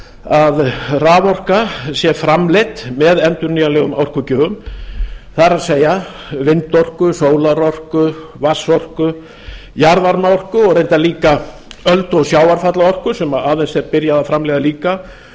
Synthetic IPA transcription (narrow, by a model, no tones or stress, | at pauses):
aðraːvɔr̥kasjɛfɾamlet̪mɛðɛnt̪ʏɾniːjalɛːɣʏmawr̥kʏcœːɣʏm | θaɾaðseːja | vɪnt̪ɔr̥kʏsoːwlaɾɔr̥kʏvasɔr̥kʏ | jaɾvaɾmaɔr̥kʏɔɣɾejnt̪aliːka | œlt̪ɔɣsjaːwaɾfat̪laɔr̥kʏsɛmaðaːðejnsɛɾpɪɾjaðafɾamlɛjðaliːka